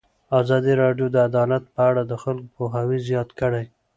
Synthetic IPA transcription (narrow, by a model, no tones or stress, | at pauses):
azɑd̪iɾɑɖjod̪əad̪ɑlat̪̚pəaɽad̪əxalkopoɦawizjɑt̪kəɽaj